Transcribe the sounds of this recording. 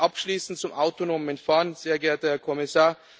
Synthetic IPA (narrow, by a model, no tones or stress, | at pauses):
ʔapʃliːsn̩tt͡sʊmaʊtonoːməɛntfaːɐnzeːɐɡɛɐtəhɛːɐkʰɔmɪsaːɐ